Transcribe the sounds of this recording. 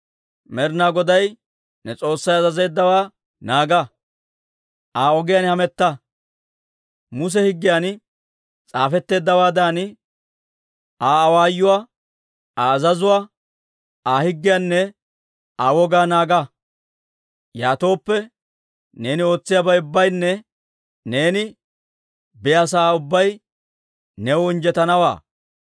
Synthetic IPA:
mɛɾnaːɡɔd̪ɐj | nɛt͡sʼo̞ːsːɐjɐzɐze̞ːd̪ːɐwaː | naːɡa | ʔaːɔɡɪjanhɐmɛt̪ːa | mʊs̬ɛhɪɡːɪjaːn | t͡sʼaːfɛt̪ːe̞ːd̪ːɐwaːd̪aːn | ʔaːwaːjːʊwaː | aːzɐzʊwaː | aːhɪɡːɪjaːnːɛ | aːwɔɡaːnaːɡa | jaːt̪o̞ːpːɛ | ne̞ːnɪo̞ːt͡sːɪjabɐjʊbːɐjnːɛ | ne̞ːnɪ | bɛjɐsaːʊbːɐj | nɛwʊɪnd͡ʒɛt̪ɐnɐwa̰ː

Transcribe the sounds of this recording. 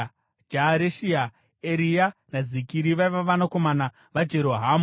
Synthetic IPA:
d͡ʒaɾeʃia | eɾijanazikiɾiʋaiʋaʋanako̞mana | ʋad͡ʒe̞ɾo̞ɦaːmu

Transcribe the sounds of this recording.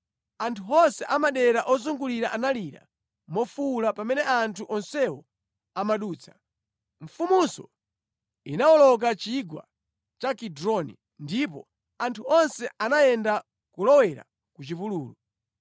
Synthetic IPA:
antʰuɔnsɛʔamaɗɛɾaʔɔzuŋɡuliɾaʔanaliɾa̰ | mɔfulapamɛnɛantʰuʔɔnsɛwɔ | amaɗuːt͡sʰḁ | ɱ̩fumusɔ̰ | inawɔlɔk̬at͡ʃiɡwa̰ | t͡ʃakidɾɔnḭ | ndipɔ̰ | antʰuɔnsɛʔanajɛnda | kulɔwɛɾa̰ | kut͡ʃipuluːlu

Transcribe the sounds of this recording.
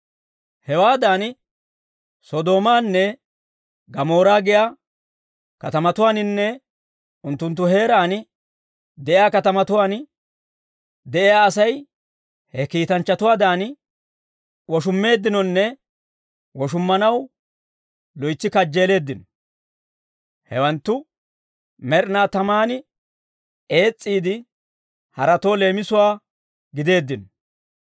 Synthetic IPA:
hɛwaːd̪aːn | sɔd̪o̞ːmaːnːɛ | ɡɐmo̞ːɾaːɡɪjaː | kɐt̪ɐmɐt̪ʊwaːnɪnːɛ | ʔʊnt̪ːʊnt̪̬ːʊɦe̞ːɾaːn | d̪ɛʔɪjaːkɐt̪ɐmɐt̪ʊwaːn | d̪ɛʔɪjaːɐsɐj | hɛkiːt̪ɐnt͡ʃːɐt̪ʊwaːd̪aːn | wɔʃ̬ʊmːe̞ːd̪ːɪnɔnːɛ | wɔʃ̬ʊmːɐnɐw | lɔjt͡ʃːɪkɐd͡ʒːe̞ːle̞ːd̪ːɪnɔ | hɛwɐnt̪ːʊ | mɛɾnaːt̪ɐmaːnɪ | e̞ːt͡sʼːiːd̪ɪ | hɐɾɐt̪o̞ːle̞ːmɪsʊwaː | ɡɪd̪e̞ːd̪ːɪnɔ

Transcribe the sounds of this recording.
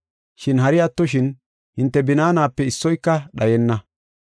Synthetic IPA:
ʃɪnɦɐɾɪjɐt̪ːɔʃ̬ɪn | hɪnt̪ːɛbɪnaːnaːpːɛɪsːɔjkːɐɗɐjɛnːɐ

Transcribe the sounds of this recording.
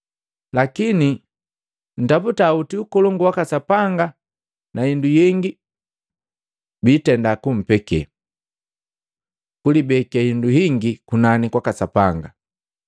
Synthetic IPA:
lakini | n̩taputautiukɔlɔŋɡuwakasapaŋɡa | naindujiŋɡi | biːtɛndakum̩pɛkɛ̰ | kulibɛkahinduɦiŋɡikunanikwakasapaŋɡa

